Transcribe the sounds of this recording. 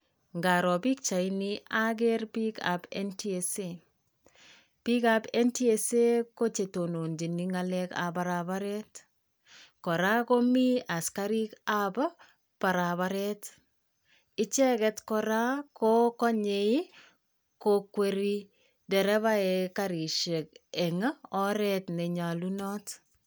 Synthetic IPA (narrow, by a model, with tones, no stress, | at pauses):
ŋɡa˨ɾɔ˨pi˦k̚t͡ʃa˨iniʔaɡ̬ɛɾpi˦ka̰bɛ̰ntiese | pi˦kapɛ˦nti˦ese˦ko˦t͡ʃe˨to˨no˨nd͡ʒi˨niŋalɛka̰˨baɾaβaɾɛt | kɔ˨ɾa˦ko˦mi˦a˨skaɾi˦kabɔ˦ | pa˨ɾaβaɾɛt | ɪ˦t͡ʃɛ˦kɛtkɔ˧ɾa˦kokɔ˦ɲei˦ | kokweɾi | dɛ˨ɾɛ˦βa˦ɛkaɾi˨ʃe˨k̚ɛŋa˦ɔ˦ɾɛtnɛ˨ɲa˨lunɔ˦t